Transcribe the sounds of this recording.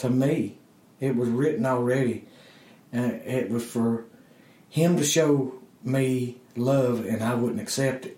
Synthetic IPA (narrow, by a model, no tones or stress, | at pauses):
tʰɨmi | ɪt̚wʌzɹɪʔn̩ɔl̩ˠɹɛɾi | ɨ̃ɪʔ̚wʌz̥fə˞ | ɪ̃mtɨʃoʊmilʌvɨ̃naɪwʊdⁿn̩tɨksɛp̚tɨt̚